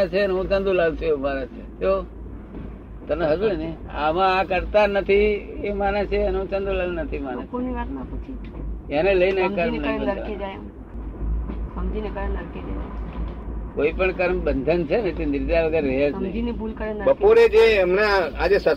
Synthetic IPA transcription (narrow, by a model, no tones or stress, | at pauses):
t͡ʃʰeənɦũt͡ʃə̃nd̪ũlaɡt͡ʃʰueumanãt͡ʃʰet͡ʃo | t̪əneɦəd͡ʒuɽnəi | amãakəɾt̪anət̪ʰiemanãt͡ʃʰeənɦũt͡ʃə̃nd̪ũlalnət̪ʰimanãpoɾniʋat̪mãut͡ʃʰi | aneləineekəɾmnaəɾed͡ʒaj | əmd͡ʒ̪inekəɾnəɾked͡ʒaj | koipəɳkəɾmbənd̪ʱənt͡ʃʰenet̪enɪɾd̪jaʋəɡəɾɾəɦed͡ʒnəɦiinibʱulkəɾenbəpoɾed͡ʒeəmnaad͡ʒesə